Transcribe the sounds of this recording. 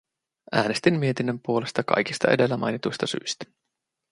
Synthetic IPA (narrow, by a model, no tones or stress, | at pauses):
ʔæːne̞st̪imːie̞t̪inːømpuo̞le̞st̪ɑkɑ̰jkist̪ɑ̰e̞de̞lːæmʔɑ̰jnit̪ujst̪ɑsy̰jst̪æ̥